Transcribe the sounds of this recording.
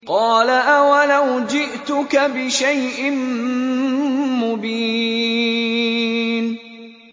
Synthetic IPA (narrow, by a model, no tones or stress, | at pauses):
qɑːlaʔawalawd͡ʒɪʔt̪ʊkabɪʃajʔɪn | mʊbiː | n